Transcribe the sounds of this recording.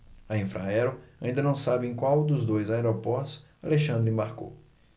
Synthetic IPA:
ɐĩfɾa̰ɛɾoaĩd̪ɐnɐ̃w̃sabɪẽj̃kwawd̪ʊzd̪ojzaɛɾopɔɾt̪ʊ̥s | aleʃɐ̃nd̪ɾʊĩbaɾko̰w

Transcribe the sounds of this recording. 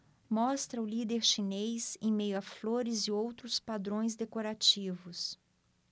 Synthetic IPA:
mɔst̪ɾɐʊlid̪eɾʃinejzẽj̃mejʊɐfloɾɪzɪowt̪ɾʊspad̪ɾõj̃zd̪ekoɾat͡ʃivʊs

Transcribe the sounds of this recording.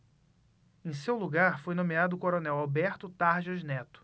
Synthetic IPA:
ẽj̃sewluɡaɾfojnõmead̪ʊːkoɾonɛwabɛɾt̪ʊt̪aɾʒɐznɛt̪ʊ̥

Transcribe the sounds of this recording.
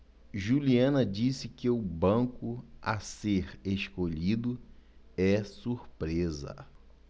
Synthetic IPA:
ʒuliɐ̃nɐd͡ʒisɪkɪʊbɐ̃kʊa̰seɾeʃkoʎid̪ʊ | ɛsuɾpɾezɐ̰

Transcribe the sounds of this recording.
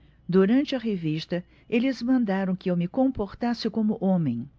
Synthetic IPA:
d̪uɾɐ̃nt͡ʃɪɐɦevist̪ɐ | elɪzmɐ̃nd̪aɾɐ̃w̃kɪewmɪkõmpoɾt̪asɪkõmʊʔõmẽj̃

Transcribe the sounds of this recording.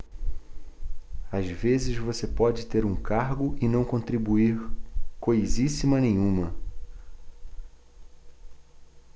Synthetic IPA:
azvezɪzvosepɔd͡ʒɪt̪eɾũkaɾɡʊʔɪnɐ̃w̃kõnt̪ɾibuiɾkojzisimɐnẽjɲ̃ũmɐ

